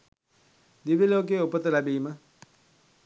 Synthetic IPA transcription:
dibilok̬eopɔt̪ɛlabima

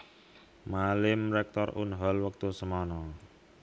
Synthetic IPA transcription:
malɪmɾɛk̚t̪ɔrunɦɔlwək̚t̪usəmɔnɔ

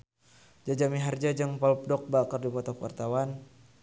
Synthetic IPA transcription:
d͡ʒad͡ʒamiɦard͡ʒad͡ʒɨŋpɔlp̚dɔk̚bakərdipɔt̪ɔkwa̰rt̪awan

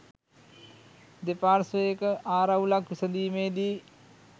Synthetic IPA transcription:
d̪epaːɾseːkaːɾawulakʋisɐd̪iːmeːd̪iː

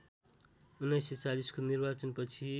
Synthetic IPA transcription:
unːʌjset͡saliskonirbat͡sʌnpʌt͡sʰi

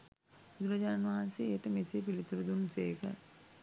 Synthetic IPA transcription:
bud̪uɾɐd͡ʒaːnʋaɦanseːʈəmeseepilit̪uɾud̪unseːkə̰

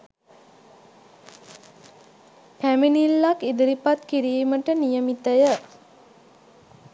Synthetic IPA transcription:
kæminilːakid̪əɾipat̪kiɾiːməʈənijəmit̪əjə

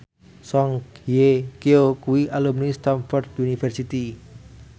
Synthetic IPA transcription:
sɔŋkjekeokuwiʔalumnist̪anfɔrd̪junifɛrsit̪i

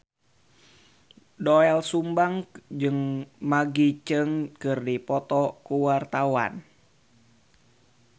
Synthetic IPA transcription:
doɛlsumbaŋd͡ʒɨŋmaɡit͡ʃɨŋkɨrdipɔt̪ɔkuwart̪awa̰n

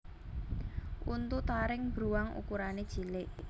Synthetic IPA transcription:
ʔunt̪ut̪aɾɪŋbɾuwaŋṵkuɾaned̥ʒ̥i̤lɪʔ

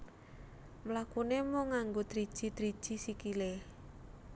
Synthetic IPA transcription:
mlakunemɔŋaŋɡod̪̥ɾid̥ʒ̥i̤d̪ɾid̥ʒ̥i̤sikileh

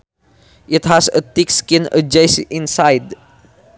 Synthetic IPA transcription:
ʔɪt̪hasət̪ɪkskɪ̃nə̰d͡ʒajsʔɪ̃nsajd

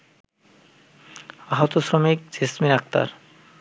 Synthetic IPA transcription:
aɦot̪osɾomik̚d͡ʑesminak̚t̪a̰ɾ

